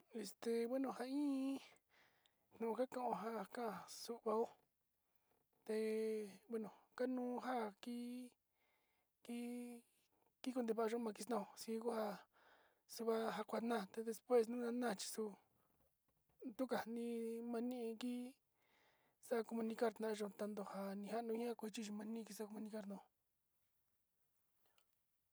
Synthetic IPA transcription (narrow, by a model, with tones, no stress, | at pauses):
e˧st̪e˧βe˦nõ˧˨ha˧ĩː˦ | nnũ˨˧ka˦kã˧˨ʔõ˧ɦa˦˨kã˦ʔã˧su˧ʔβa˧o˦ | t̪e˧be˦nõ˨ka˦nũː˦˧ɦa˦ki˦ | ki˦ | ki˦ku˧nd̪e˧βa˧˨a˧ʒo˦˧mã˧k̬i˧nã˦˧o˧si˧˦ku˦ha˧ | su˧βa˧ɦa˧kʷa˧nã˦˨t̪e˧ðe˧spwe˦˨snũ˦nã˧nã˦˨t͡ʃi̥˧su˧ | t̪u˦ka˨nĩ˧mã˧nĩ˦ʔki˦ | sa˦˧ko˧mũ˧nĩ˧ka˦ɾt̪nã˧˨˧ʒõ˧˨˧t̪a˧nd̪o˧˨ha˧nĩ˧ha˦˧nũ˧˦ĩ˦ã˦kʷu˧i˧t͡ʃi˦ʒi˧mã˧nĩ˦˧ki˧s̬a˦ko˧mũ˧nĩ˧ka˦ɾt̪nã˧